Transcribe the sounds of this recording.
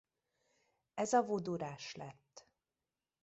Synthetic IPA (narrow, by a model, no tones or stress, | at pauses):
ɛzɒvod̪oɾaːʃlɛt̪ː